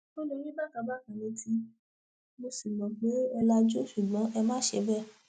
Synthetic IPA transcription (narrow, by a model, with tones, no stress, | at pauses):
to˦lo˧˦nĩ˦ba˦˨ka˨˧˦ba˦˨kã˨nĩ˧tʰi˧ | mo˧si˨mɔ̃˨ɡ͡be˨˦ɛ˧la˧d͡ʒo˦ʃu˨ɡ͡bɔ̃˨˦ʔɛ˧mãː˦ʃe˧˦bɛ˦˨